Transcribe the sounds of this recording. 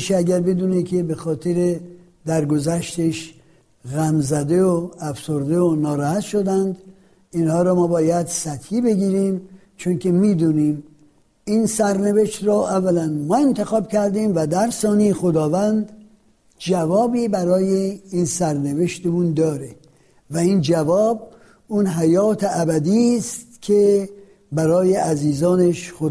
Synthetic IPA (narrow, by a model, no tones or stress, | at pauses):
ʃeæɟæɾbe̞d̪uːnekʰebexɒːt̪ʰeɾe | d̪æɾɡozæʃt̪eʃ | ɣæmzæd̪e̞oæfsoɾd̪e̞onɒːɾɒːhæt̪ʃod̪ænd̪ | inhɒːɾɔːmɒːbɒːjæd̪sæt̪hiːbe̞ɡiːɾiːm | t͡ʃʰonkʰe̞miːd̪uːniːm | insæɾneve̞ʃt̪ɾɔːʔævːælænmɒːe̞nt̪ʰexɒːbcʰæɾd̪iːmvæd̪æɾsɒːnejexod̪ɒːvænd̪ | d͡ʒævɒːbiːbæɾɒːjeiːnsæɾneveʃt̪emund̪ɒːɾe | væind͡ʒævɒːb | unɦæjɒːt̪ʰeæbæd̪iːstt̪kʲʰe | bæɾɒːjeʔæziːzɒːneʃxo